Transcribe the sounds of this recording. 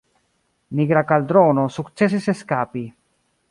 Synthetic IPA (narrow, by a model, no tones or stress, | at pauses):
niɡɾakald̪ɾonosukt͡ses̬iseskapi